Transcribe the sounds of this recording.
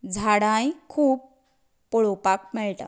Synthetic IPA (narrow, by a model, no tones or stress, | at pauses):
d͡zʱaɽãjkʰuːbː | ɔɭopak̚mɛɭʈa̰